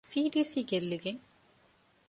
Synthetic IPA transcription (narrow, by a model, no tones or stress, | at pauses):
siːɖisikelːike